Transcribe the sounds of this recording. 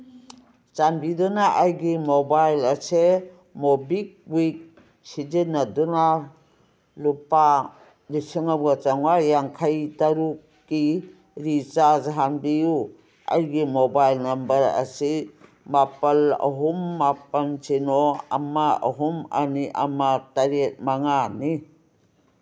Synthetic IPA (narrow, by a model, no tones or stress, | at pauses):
t͡ʃanbidunaʔajɡimobajlɐse | mobik̚wik̚ | sid͡ʒenaduna | lupa | lisiŋabɡat͡ʃaŋwajaŋkʰajtaɾukːi | ɾit͡ʃazaɦanbiju | a̰jɡimobajlnɐmbɐɾɐ̰si | mapɐlɐ̰ɦumːapɐnsinoa̰maɐ̰ɦuma̰niʔa̰mataɾet̚maŋani